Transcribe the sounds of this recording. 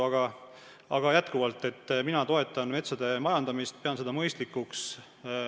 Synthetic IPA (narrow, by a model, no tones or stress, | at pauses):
ɑɡ̥ɑ | ɑɡ̥ɑjæt̪kuvɑlt̪ːˑe̞t̪ːˑminɑt̪o̞e̞t̪ːˑɑnme̞t̪sɑd̪̥e̞mɑjɑnd̪̥ɑmist̪̚peɑnse̞d̪̥ɑmɤjst̪likːuks